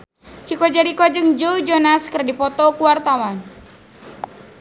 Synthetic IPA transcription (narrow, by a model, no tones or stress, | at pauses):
t͡ʃikɔd͡ʒaɾikɔd͡ʒɨŋd͡ʒowd͡ʒonaskərdipɔt̪ɔkuwart̪awan